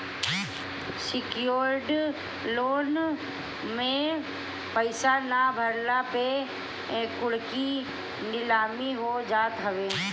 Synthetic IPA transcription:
sɪkjoːɾɖ | loːn | mẽ | pəɪsanabʱəɾlape | ɛ̃ːkʊɽki | nɪlaːmiɦod͡ʒaːt̪ɦɐʋeː

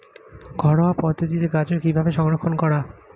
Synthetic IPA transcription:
ɡʱɔɽoapɔd̪ʱːot̪it̪eɡat͡ɕeɾkibʱabeʃɔŋɾokʰːonkɔɾa

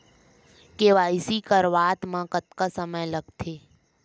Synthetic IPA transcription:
keʋaːɪsikəɾʋaːt̪mãkət̪kasəməjləɡt̪ʰeː

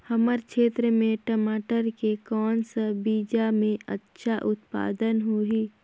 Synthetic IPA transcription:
həməɾkʃʰeːt̪ɾəmẽʈəmaːʈəɾkekɔːnsəbiːd͡ʒamẽətːʃʰaʔʊt̪pa̰ːd̪ənɦui

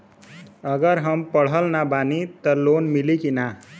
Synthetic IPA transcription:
əɡəɾɦəmpəɽ̤əlnabanit̪əɾlonmilikina

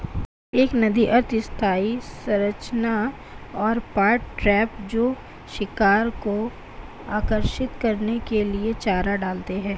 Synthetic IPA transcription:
eːknɐd̪iʔɐɾt̪ɪst̪ʰaːisɐɾət͡ʃna | ɔːɾpaːɾʈːɾɛːpd͡ʒoː | ʃɪkaːɾko | aːkəɾʃɪt̪kɐɾnekeliet͡ʃaːɾaɖaːlt̪eɦɛ̃ː

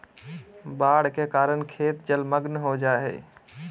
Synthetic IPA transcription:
baːɽkekaːɾəɳkʰeːt̪d͡ʒəlməɡnɦod͡ʒaːɦḛː

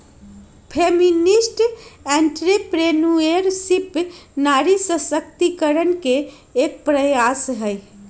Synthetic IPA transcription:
pʰeminisʈɛɳʈɾepɾenueɾsipnaɾisəsəkt̪ikəɾənkeː | k̚pɾəjasɦəj

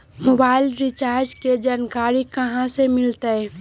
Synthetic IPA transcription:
moːbaːɪlɾit͡ʃaːɾd͡ʒked͡ʒaːnkaːɾikɐɦãsemɪlt̪əɛ

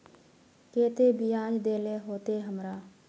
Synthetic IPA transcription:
keːt̪ebiaːd͡ʒd̪eːleɦoːt̪eɦəmɾaː

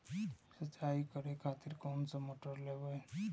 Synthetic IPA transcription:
sət͡ʃːaikəɾekʰat̪ɪɾkɔːmsəmoʈəɾlebəe

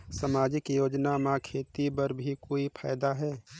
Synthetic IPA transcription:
səmaːd͡ʒɪkjoːd͡ʒnamãkʰeːt̪ipəɾbʱikoːipʰa̰ːjd̪aɦɛː

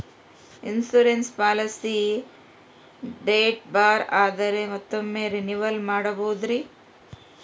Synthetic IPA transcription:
insuɾenspaːlɐsi | ɖeːʈ̚baːɾaːd̪ɐɾe̞mɐt̪ːomːeːɾiniʋɐlmaːɽɐboːd̪ɾi

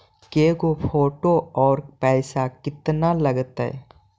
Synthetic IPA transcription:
keːɡopʰoːʈoɔːɾpɛːsakɪt̪nalɐɡt̪ɛ̰

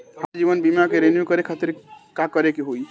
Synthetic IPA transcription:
hãd͡ʒibənbimakeɾenjukəɾekʰat̪iɾkakəɾekeɦoi

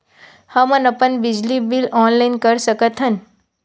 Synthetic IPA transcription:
həmənəpənbɪd͡ʒlibilɔːnlaɪnkəɾsəkət̪ɦən

